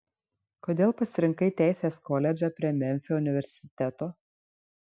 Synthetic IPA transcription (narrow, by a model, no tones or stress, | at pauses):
koːd̪ʲeːlˠpɐsʲɪɾʲɪŋkɐɪt̪ʲæˑɪsʲeːskɔlʲɛd͡ʒʲɛpʲɾʲiɛmʲɛmʲfʲɛʊnʲɪʋʲɛɾʲsʲɪt̪ʲɛt̪oː